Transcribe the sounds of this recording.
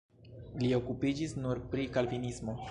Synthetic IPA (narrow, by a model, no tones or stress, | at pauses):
lio̞kupid͡ʒisnuɾpɾikalvinismo̞